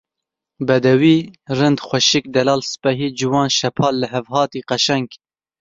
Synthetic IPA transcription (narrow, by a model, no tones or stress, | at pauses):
bɛd̪ɛwiːrɨnd̪xʷɐʃɪk̚d̪ɛlɑːlsɨ̥pɛɦiːd͡ʒuwɑːnʃɐpʰɑːlːɨɦɛvɦhɑːt̪iːqɐʃɛŋk